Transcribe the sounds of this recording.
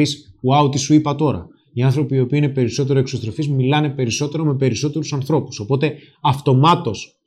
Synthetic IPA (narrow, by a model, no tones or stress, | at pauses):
isuɐut̪isuipɐt̪o̞ɾɐ̰ | iɐnθɾo̞piːo̞piine̞pe̞ɾiso̞t̪̬e̞ɾoeksot̪ɾo̞fizmilɐne̞pe̞ɾiso̞t̪e̞ɾo̞me̞pe̞ɾiso̞t̪e̞ɾusɐnθɾo̞pu̥so̞po̞t̪e̞ | ɐft̪o̞mɐt̪o̞s